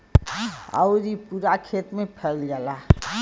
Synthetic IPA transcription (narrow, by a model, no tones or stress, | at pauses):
a̰ɾipuɾakʰeːt̪mẽpʰɛlɡəla